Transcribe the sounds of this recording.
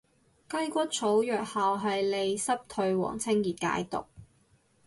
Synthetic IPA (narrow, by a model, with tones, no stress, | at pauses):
kɐ˥jkʷɐ˥t̚t͡sʰo˨˥wjœː˨k̚haː˨wɦɐ˨jle˨˧jsɐ˥p̚t̪ʰɵ˧ɥwɔ̰ː˨˩ŋt͡sʰɪ˥ŋjiː˨t̪̚ka̰ː˨˥jt̪ʊ̰˨k̚